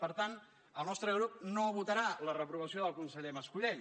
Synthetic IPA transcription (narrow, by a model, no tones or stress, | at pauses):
pəɾt̪an | əlˠnɔst̪ɾəɣɾup̚noβut̪əɾalərəpɾuβ̞əsijoðəlˠkunsəʎeməskuʎe